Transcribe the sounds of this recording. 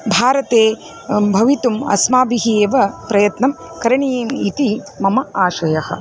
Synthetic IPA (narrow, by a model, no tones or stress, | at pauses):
bʱaːɾɐt̪eː | bʱɐʋit̪umɐ̰smaːbiɦieːʋɐpɾɐjɐt̪nɐm | kɐɾɐɳijeːmit̪imɐmɐaːʃʋɐjɐhɐ̰̆